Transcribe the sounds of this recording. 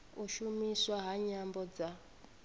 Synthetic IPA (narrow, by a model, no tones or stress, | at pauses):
uʃumiswaɦaɲambɔd͡za